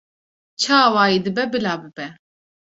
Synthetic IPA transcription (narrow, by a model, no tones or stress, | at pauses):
t͡ʃʰaːwaːjid̪ɨbɛbɨlaːbɨbɛ